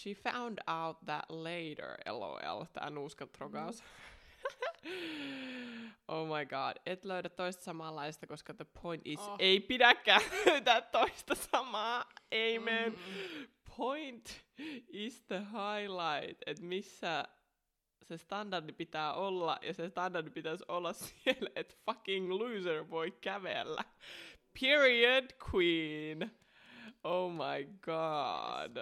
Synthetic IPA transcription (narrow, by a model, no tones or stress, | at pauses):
ʃifã̰wndawt̪̚ðæ̰ʔ̪leɪɾə̰˞ḛlo̰ḛlt̪æ̰ːnuːskɑt̪roɡɑsɑ̥ | ʔoʊmɑɪɡɑ̰ːd̥et̪løyɾæt̪t̪ːoist̪ɑ̥sɑmɑlːɑisst̪ɑkoskɑðəpʰoint̪iseipidækːæːløyt̪æt̪toist̪ɑsɑmɑːeimenpʰojnt̪ | isðəɦɑjlɑɪt̪et̪misːæ | sest̪ɑndɑrdipit̪æːʔolːɑ̰jɑsest̪ɑndɑrdipit̪æsolːɑssielet̪fɑkiŋlʉːsəɹʋoikæʋḛlːæ̰pʰiɹiədkʰwiːn | oʊmɑjɡ̥ɑd̥